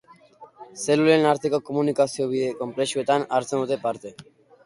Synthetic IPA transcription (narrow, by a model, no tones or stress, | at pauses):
selulenaɾt̪ekokomunikasioβiðekompɾeʃuet̪anaɾt͡senot̪epaɾt̪e